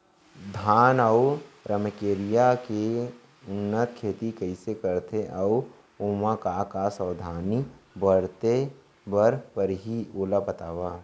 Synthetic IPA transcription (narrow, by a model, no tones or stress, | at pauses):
d̪ʱaːnəwɾəməkeːɾɪjake | ʊnːət̪kʰeːt̪ikəɪsekəɾt̪eʔɐw | oːmãkakasəːd̪ʱaːnibəɽt̪e | bəɾpəɾɦioːlabət̪aːʋaː